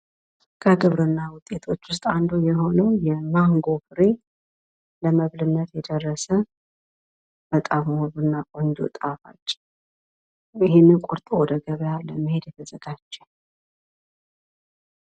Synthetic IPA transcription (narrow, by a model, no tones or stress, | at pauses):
kʰəɡɨβɾɨnːawʊt̪ʼet̪ʰo̞t͡ʃːwʊst̪ʼand̪ujɛɦo̞nəwjɛmaŋɡo̞fɨɾe | ləməβlɨnːət̪jɛd̪ərːəsə | bət̪ʼamwoβɨnːakʼond͡ʒ̪o̰t̪ʼafa̰t͡ʃːʼ | jɪhenːɨnkʼuɾt̪ʼowɔd̪əɡəβəjaləməhe̞d̪jɛt̪ʰəzəɡ̥at͡ʃːɛ̥